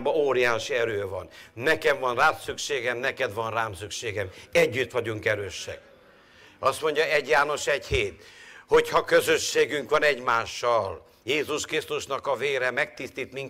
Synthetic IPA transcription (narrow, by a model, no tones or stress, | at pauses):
bɒoːɾijaːʃiɛɾøːvɒnnɛkɛɱvɒnraːt̪sykʃeːɡɛmnɛkɛd̪vɒnraːmsykʃeːɡɛmɛɟːyt̪ʋɒɟuŋkɛɾøːʃːɛ̰k̚ | ɒst̪mo̞ɲɟɒɛɟjaːno̞ʃɛɟheːt̪hochɒkø̞zø̞ʃːeːɡyŋkʋɒnɛɟmaːʃːɒl | jeːzuʃkɾist̪uʃnɒkɒveːɾɛmɛk̚t̪ist̪it̪miŋ